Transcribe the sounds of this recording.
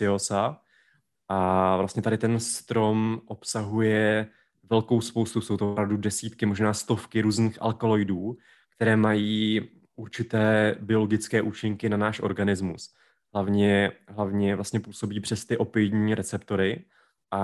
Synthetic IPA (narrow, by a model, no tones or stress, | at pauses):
ɪosa | ʔavlast̪ɲɛt̪adɪt̪ɛnst̪ɾo̞mʔo̞psaɦujɛ | vɛlko̞wspowst̪usowt̪oopɾavdudɛsiːt̪kɪmoʒnaːst̪o̞fkɪɾuːzniːxʔa̰lkolo̞jduː | kt̪ɛɾɛːmajiː | ʔuɾt͡ʃɪt̪ɛːbɪo̞lo̞ɡɪt͡skɛːʔuːt͡ʃɪŋkɪnanaːʃʔo̞̰ɾɡanɪzmus | ɦlavɲɛɦlavɲɛvlast̪ɲɛpuːso̞biːpr̥ɛst̪ɪʔo̞pɪjɲiːɾɛt͡sɛpt̪o̞ɾɪ | ʔa